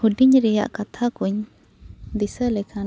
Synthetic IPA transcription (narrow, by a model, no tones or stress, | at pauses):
huɖiɲɾɛja̰ʔkat̪ʰakuɲ | d̪isəlɛkʰa